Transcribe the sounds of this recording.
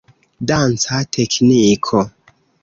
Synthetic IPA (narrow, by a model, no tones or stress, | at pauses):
dant͡satʰeknikʰo